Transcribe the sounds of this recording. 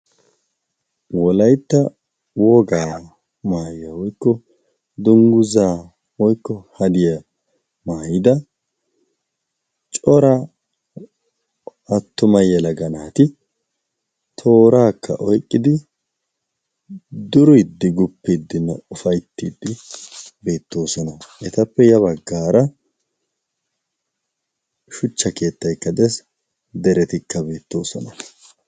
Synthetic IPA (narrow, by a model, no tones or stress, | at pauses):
wɔlɐjt̪ːɐ | wɔɡaː | maːjɪjɐwɔjkːɔ | d̪ʊŋɡʊzaː | wɔjkːɔhɐd̪ɪjɐ | maːjɪd̪ɐ | t͡ʃʼɔɾɐ | ɐt̪ːʊmɐjɛlɐɡɐnaːt̪ɪ | t̪ʰo̞ːɾaːkːɐ̰ʔɔjkʼːɪd̪ɪ | d̪ʊɾʊjd̪ːɪɡʊpːid̪ːɪnːɐ̰ʊfɐjt̪ːiːd̪ːɪbe̞ːt̪ːo̞ːsɔnɐʔɛt̪ɐpːɛjɐβɐɡːaːɾɐ | ʃʊt͡ʃːɐke̞ːt̪ːɐjkːɐd̪ɛs | d̪ɛɾɛt̪ɪkːɐbe̞ːt̪ːo̞ːsɔnɐ